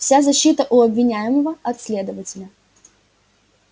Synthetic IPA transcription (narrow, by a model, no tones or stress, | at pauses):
fsʲazɐɕːit̪əʔʊɐbvʲɪnʲæjɪməvəɐt̪slʲe̞d̪əvətʲɪlʲə